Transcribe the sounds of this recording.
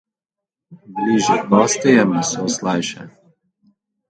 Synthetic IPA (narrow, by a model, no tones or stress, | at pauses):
bliʒɛp̪ɔst̪ɛjɛmɛsoslajʃɛ